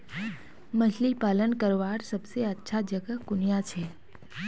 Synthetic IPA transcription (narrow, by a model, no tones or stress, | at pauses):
məʃlipalənkəɾʋaɾsəbseətːʃʰad͡ʒəɡəkunijãt͡ʃʰe